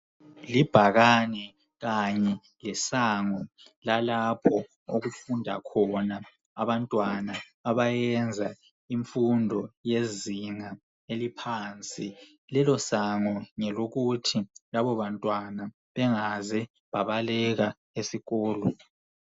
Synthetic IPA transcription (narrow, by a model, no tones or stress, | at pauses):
lib̥ʱaɣanɛ | ɣaɲɛ | lɛsaŋɔ | lalapʰɔ | oɣufundʱa̰kʰɔna | aβantʼwanaː | βajɛnd͡zʱa | iɱfundʱɔjeziŋa | elipʰaːnt͡sʼi | lɛlɔsaŋɔŋɛloɣutʰilaβɔβantʼwana | βɛŋazɛ | βaβalɛɣa | esiɣɔːlɔ